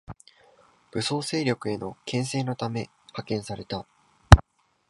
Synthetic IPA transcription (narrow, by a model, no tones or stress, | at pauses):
b̥ɯ̟so̞ːse̞ːɾʲo̞kɯ̟e̞no̞kẽ̞ɰ̃s̬e̞ːno̞t̪ame̞ | hakẽ̞ɰ̃saɾe̞t̪a